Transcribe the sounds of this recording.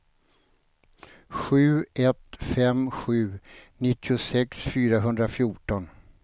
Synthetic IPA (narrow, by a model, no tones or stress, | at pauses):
ɧʉ̟ːʔɛt̪fɛmɧʉ̟ːnɪt̪ːɪʊsɛksfyːɾaɦɵnd̪ɾafjuʈɔn